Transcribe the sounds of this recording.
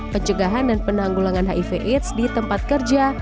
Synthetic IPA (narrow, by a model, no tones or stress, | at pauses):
pəɲt͡ʃəɡaɦandanpənaŋɡulaŋanɦa̰ʔifeʔit̪sdit̪əmpat̪̚kərd͡ʒa